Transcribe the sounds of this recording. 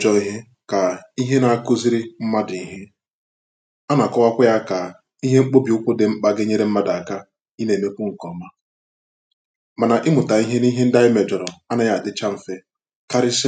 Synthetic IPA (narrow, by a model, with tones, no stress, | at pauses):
d͡ʒɔ˨i˦ɦe˦ | ka˨i˦ɦe˦na˨a˦kʊ˦zi˦ɾi˦m̩˦ma˦di˨i˦˨ɦe˦ | a˦na˨kɔ˦wa˦kʷʊ˦ja˦ka˨ | i˦ɦe˦ŋ͡m̩˦k͡po˦bi˨ʊ˦kʷʊ˦dɪ˨mŋ͡m̩˦k͡pa˦ɡɪ˦ɲe˦ɾe˦m̩˦ma˦da˨ka˦ | i˦ne˨me˦kʷʊ˦ŋ̩˨kɔ˨ma˦ | ma˨na˨ʔɪ˦mʊ˨ta˨i˦ɦe˦ni˦ɦe˦n̩˦da˦ɪ˦me˨d͡ʒɔ˨ɾɔ˨a˦na˨ja˨a˨dɪ˦t͡ʃa˦m̩˨fe˦ | ka˦ɾɪ˦s